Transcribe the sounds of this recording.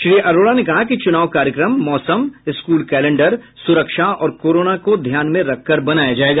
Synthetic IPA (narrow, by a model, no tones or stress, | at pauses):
ʃɾiːʔɐɾoːɽanekɐɦakit͡ʃʊnaːʋkaːɾjəkɾəmːɔːsəmɪskuːlkɛːlẽɳɖəɾ | sʊɾəkʃaɔːɾkoːɾoːnakod̪ʱjaːnmẽɾɐkʰːɐɾbɐnaːjad͡ʒaːeːɡaː